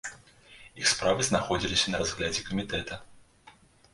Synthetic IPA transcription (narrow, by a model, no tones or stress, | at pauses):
ixspɾavɨznaxɔd͡zʲilʲisʲɐnɐazɣlʲad͡zʲɛkɐmʲit̪ɛt̪ɐ